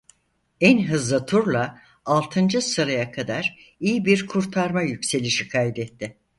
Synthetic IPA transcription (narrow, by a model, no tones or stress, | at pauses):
ænɦɯzlˠɯt̪ʰuɾlˠa | alˠt̪ʰɯnd͡ʒɯsɯɾajakʰad̪aɾ | ijibiɾkʰuɾt̪ʰaɾmajycse̞lʲiʃikʰajd̪ɛt̪ʰːɪ